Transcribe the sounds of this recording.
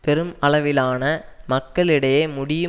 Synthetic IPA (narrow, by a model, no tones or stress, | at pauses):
pɛɾɯmɐɭɐʋɪlaːnɐmɐkːɐɭɪɽɐjeːmʊɽɪjɯ